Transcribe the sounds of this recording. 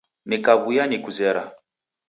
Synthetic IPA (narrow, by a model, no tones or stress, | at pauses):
nikaβujanikuzɛɾa̰